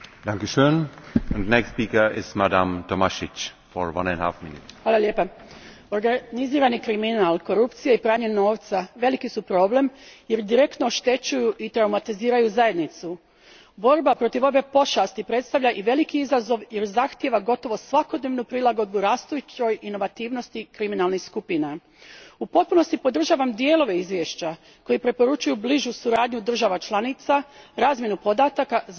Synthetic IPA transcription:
d̥aŋkeʃøːnəndnɛkstpiːkəɪ̰stmadamtʰomaʃɪt͡ʃ | fɔɹʋa̰nɛnha̰fminutxʋaːlalje̞ːpa | o̞ɾɡaniziːɾanikɾiminalˠko̞ɾupt̪sijeipɾaːɲeno̞ːʋt̪saʋe̞likisupɾo̞ːble̞mje̞ɾd̪iɾe̞kt̪nooʃt̪e̞t͡ɕujuʔit̪ɾawmat̪iziːɾajuzaje̞d̪nit̪su | bo̞ɾbapɾo̞t̪iʋo̞be̞po̞ʃast̪ipɾe̞t̪st̪aʋʎaʔiʋe̞likiizazo̞ʋje̞ɾzaxt̪je̞ʋaɡo̞t̪o̞ʋo̞sʋako̞d̪ne̞ʋnupɾilˠaɡo̞d̪buɾaːst̪ujut͡ɕo̞jino̞ʋat̪iːʋno̞st̪ikɾiminalˠnixskupina | upo̞t̪̚puno̞st̪ipo̞d̪r̩ʒaːʋamd̪jeːlˠo̞ʋe̞izʋjeʃt͡ɕa | ko̞jipɾe̞po̞ɾut͡ʃujubliʒusuɾaːd̪ɲud̪r̩ʒaʋat͡ʃlˠanit̪saɾaːzmjenupo̞d̪aːt̪aka

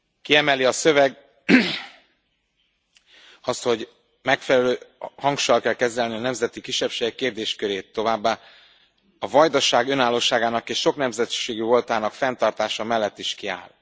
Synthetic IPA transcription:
kiɛmɛliɒsø̞vɛɡ | ɒst̪ho̞ɟ | mɛkfɛlɛløːhɒŋkʃɒlkɛlkɛzɛlniɒnɛmzɛt̪ikiʃːɛpʃeːɡɛkːeːrd̪eːʃkøɾeːt̪ːo̞vaːbːaː | ɒvɒjd̪ɒʃaːɡø̞naːlːoːʃaːɡaːnɒkeːʃʃo̞knɛmzɛt̪ʃeːɡyo̞lt̪aːnɒkfɛnt̪ɒrt̪aːʃɒmɛlːɛt̪ːiʃkia̰ːl

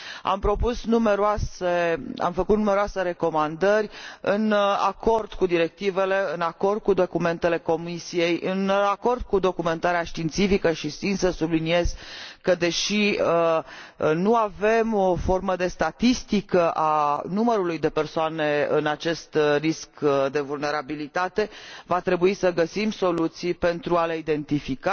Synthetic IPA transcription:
a̰mpɾo̞pusnume̞ɾoasea̰mfəkut̪nume̞ɾoasəɾe̞ko̞mand̪ərʲɨna̰ko̞rd̪̥kud̪iɾe̞k̚t̪ive̞le̞ɨnako̞rd̪̥̚kud̪o̞kume̞nt̪e̞le̞ko̞misije̞jɨnako̞rd̪̚kud̪o̞kume̞nt̪aɾeaʃt̪int̪sifikəʃisinsəsublinie̞z̥kəd̪e̞ʃiə | nuave̞mofo̞rməd̪e̞st̪at̪ist̪ikəʔanuməɾulujd̪e̞pe̞rsoane̞ɨ̰nat͡ʃe̞st̪riskd̪e̞vulne̞ɾabilit̪at̪e̞vat̪ɾe̞buisəɡəsimso̞lut̪sijpe̞nt̪ɾuale̞id̪e̞nt̪ifika

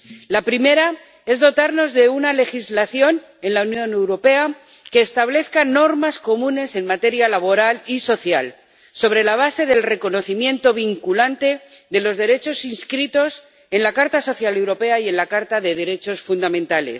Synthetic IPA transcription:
lapɾime̞ɾa | e̞zðo̞t̪aɾno̞zðe̞unale̞xizlaθjo̞n | e̞nlaunjõ̞ne̞wɾo̞pe̞a | ke̞ːst̪aβle̞θkano̞ɾmasko̞mũne̞se̞nmat̪e̞ɾjalaβ̞o̞ɾaliso̞θjal | so̞β̞ɾe̞laβ̞ase̞ðe̞lre̞ko̞no̞θimje̞nt̪o̞β̞iŋkulant̪e̞ðe̞lo̞zðe̞ɾe̞t͡ʃo̞sinskɾit̪o̞s | e̞nlakaɾt̪aso̞θjalewɾo̞pe̞aie̞nlakaɾt̪aðe̞ð̞e̞ɾe̞t͡ʃo̞sfund̪amẽnt̪ale̞̰s

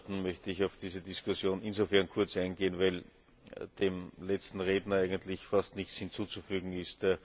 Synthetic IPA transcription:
tn̩mœçtəɪçɑʊfd̥iːzədɪskʊsjoːnɪnzofɛɐnkʰʊɐt͡saɪnɡeːənvæɪl | d̥eːmlɛt͡stn̩ʁeːdnəæɪɡəntlɪçfastnɪçt͡sshɪnt͡suːt͡sufyːɡŋ̩ɪstː

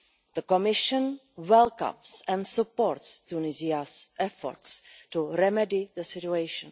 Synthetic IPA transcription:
ðəkɔmɪʃə̃n | wɛlˠkã̰msɛ̃nsupoːɾtstunɪziasʔɛfɔ̰ɾtstuɾɛmɛdɪðəsɪtuejʃə̰̃n

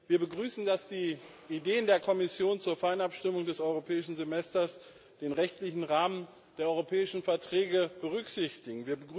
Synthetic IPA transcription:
viːɐbəɡʁyːsn̩dasd̥iː | ideːəndeːɐkʰɔmɪsjoːnt͡suːɐfaɪənapʃtɪmʊŋdɛsʔɔʏʁopʰɛːɪʃn̩zemɛstɐs | d̥eːnʁɛçtlɪçn̩ʁaːmən | d̥eːɐɔʏʁopʰɛːɪʃn̩fɛɐtʁ̥ɛːɡəb̥əʁ̞ʏkz̥ɪçtɪɡŋ̩viːɐbəɡ

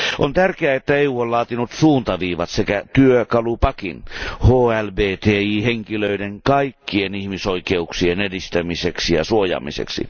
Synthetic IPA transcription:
ʔont̪ærkeæet̪ːæeuːollɑːt̪inut̪suːnt̪ɑʋiːʋɑt̪sekæt̪yøkɑlupɑkinhoːælbeːt̪eːiːheŋkiløideŋkɑikːienihmisoikeuksienedist̪æmiseksijɑ̰suojɑ̰ːmḭsḛksḭ

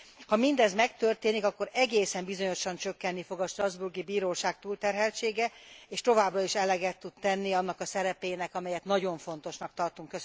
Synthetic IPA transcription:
hɒmind̪ɛzmɛkt̪ørt̪eːnikɒkːo̞ɾɛɡeːsɛmbizo̞ɲo̞ʃɒnt͡ʃø̞kːɛnːifo̞ɡɒʃt̪rɒzburɡibiːɾoːʃaːk̚t̪uːlt̪ɛrɦɛlt͡ʃeːɡɛeːʃt̪o̞vaːbrɒiʃɛlɛɡɛt̪ːut̪t̪ɛnːiɒnːɒkɒsɛɾɛpeːnɛkɒmɛjɛt̪nɒɟo̞ɱfo̞nt̪o̞ʃnɒk̚t̪ɒrt̪uŋkːøs

